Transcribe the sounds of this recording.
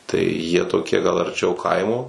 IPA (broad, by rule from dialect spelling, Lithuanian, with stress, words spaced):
tɐɪ jiɛ toːˈkʲiɛ ɡɐlˠ ɐrʲˈt͡ʃʲɛʊ ˈkɐɪmoː